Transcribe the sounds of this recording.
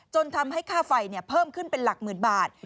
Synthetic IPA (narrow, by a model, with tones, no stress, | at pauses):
t͡ɕo˧nt̪ʰa˧mɦa˥˩jkʰaː˥˩fa˧jni˥˩pʰɤː˥˩mkʰɯ˥˩npe˧nla˨˩k̚mɯː˨˩nbaː˨˩t̪̚